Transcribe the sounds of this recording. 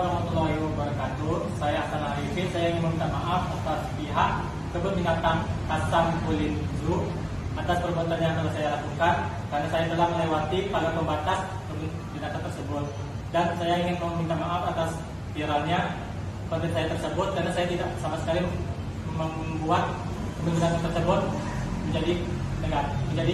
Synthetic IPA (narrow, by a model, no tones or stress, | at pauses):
ɾamat̪ulaɦibərkat̪u | sajaksanaalifɪtsajaiŋɪnməmint̪amaʔafast̪a | piɦaʔ̚ | kəbənbinat̪ankasankulɪt̪ | d͡ʒuʔ | ʔat̪aspərbuat̪anjaŋk̪alasajalakukan | karnasajat̪əlahməlewat̪ikalaməmbat̪as | t̪əbʊn | dinat̪ant̪ərsəbʊt̪̚ | dansajaiŋɪnkaummint̪amaʔafat̪as | fiɾalɲa | pənt̪ɪnsajat̪ərsəbʊt̪̚karnasajat̪idaʔsamasə̥kali | əmauməmbuat̪̚ | kəməninat̪ant̪ərsəbʊt̪̚ | məɲd͡ʒadi | nəŋaməɲd͡ʒadi